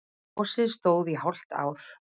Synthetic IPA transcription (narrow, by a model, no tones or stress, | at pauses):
wsɪðst̪oːwðiɦawl̥t̪a̰ːwɾ̥